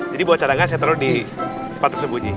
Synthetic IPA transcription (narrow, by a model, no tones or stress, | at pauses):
d͡ʒadibawat͡ʃaɾaŋans̬ajat̪əɾodi | ə̥pat̪ːərsəmbud͡ʒi